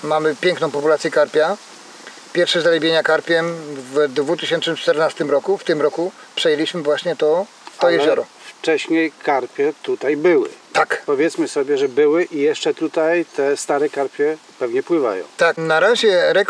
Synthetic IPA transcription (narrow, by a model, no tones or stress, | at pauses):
mamɘpʲjɛ̃ŋknɔ̃w̃pɔpulat̪sʲjɛkaɾpʲja | pʲjɛɾfʂɛzalɛbʲjeɲakaɾpʲjɛmvd̪vut̪ɘɕɛntt͡ʂnɘmt͡ʂt̪ɛɾnast̪ɘmɾɔkuft̪ɘmɾɔkupʂɛjelʲiɕmɘvwaɕɲɛt̪ɔ | ɔjɛzɔɾɔft͡ʂɛɕɲejkaɾpʲjɛt̪ut̪ajbɘwɘ̰t̪akpɔvʲjɛt̪smɘsɔbʲjɛʐɛbɘwɘʔijɛʂt͡ʂɛt̪ut̪ajt̪ɛst̪aɾɛkaɾpʲjɛ | pɛvɲɛpwɘva̰jɔ̰̃w̃t̪aknaɾaʑɛɾɛk